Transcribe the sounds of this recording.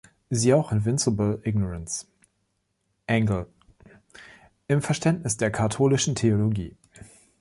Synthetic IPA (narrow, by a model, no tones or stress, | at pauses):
ziːaʊxɪnvɪnsɪblʔɪɡnɔʁans | ʔæŋɡl̩ | ʔɪmfɛɐʃtɛntnɪsd̥eːɐkʰatʰoːlɪʃn̩tʰeoloɡḭː